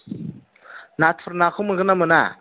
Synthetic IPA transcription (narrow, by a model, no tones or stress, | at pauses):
natʰuɾnaxʰuməɣənaməna̰